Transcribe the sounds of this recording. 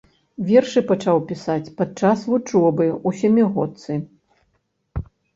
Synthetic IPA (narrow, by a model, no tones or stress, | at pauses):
vʲɛrʂɨpat͡ʂawpʲisat͡sʲpad̪t͡ʂasvut͡ʂɔbɨusʲamʲiɣɔt̪sɨ